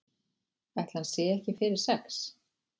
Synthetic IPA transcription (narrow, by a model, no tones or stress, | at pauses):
aht̪l̥hansɛɛhcɪfɪɾɪɾ̥sɛks